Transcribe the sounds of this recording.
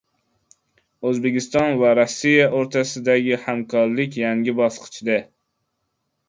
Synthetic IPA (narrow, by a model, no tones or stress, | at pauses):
øzbɪkʲist̪ɑnvæɾɑsːijɛʔoɾt̪ʰæsɨd̪æɡʲihæmkʰɑɾlˠɪkʲjæŋɡʲɪbɑslˠqʰɨ̥t͡ʃʰid̪ɛ